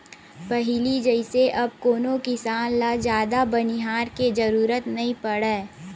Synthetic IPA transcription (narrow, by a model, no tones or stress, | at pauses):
pɐɦɪlid͡ʒɐɪseʔɐb̚koːnõkɪsaːnlad͡ʒjaːd̪abɐniɦaːɾked͡ʒɐɾuːɾət̪nɐɦĩpɐɽɛː